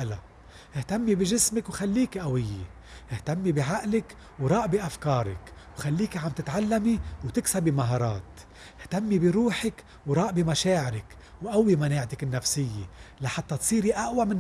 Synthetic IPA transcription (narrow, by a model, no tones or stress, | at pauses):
ʔla̰ | ʔɪht̪amːibiʒɪsmɪkwxalːiːkʔawɪjːḛ | ɪht̪amːibiʕaʔlɪk | wɾˤɑːʔbiʔafkɑːɾˤɪ̰kwxalːiːkiʕamt̪ɪt̪ʕalːamiwt̪ɪksabimaɦɑːɾˤɑːt̪ | ɪht̪amːibiɾuːħɪk | wɾˤɑːʔbimaʃaːʕɪɾɪk | wʔawːimaneːʕt̪ɪkɪnːafsɪjːelaħat̪ːɑt̪sˤiːɾiʔaʔwamɪn